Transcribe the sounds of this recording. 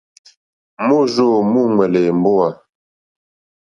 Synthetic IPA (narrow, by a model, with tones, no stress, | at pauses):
mu˦ʒo˦˨mu˦ŋwɛ˨le˨m̩˨bo˦a˨